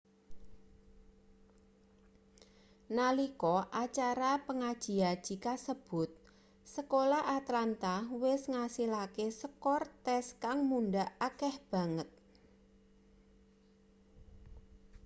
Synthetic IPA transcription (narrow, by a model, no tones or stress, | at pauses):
nalikɔʔat͡ʃaɾapəŋad̥ʒ̥i̤ad̥ʒ̥i̤kasəb̥ʊ̤t̪̚ | səkolaʔat̪lant̪ahwɪsŋasilakesəkɔrt̪ɛskaŋmuɳɖaʔakɛhb̥a̤ŋət̪̚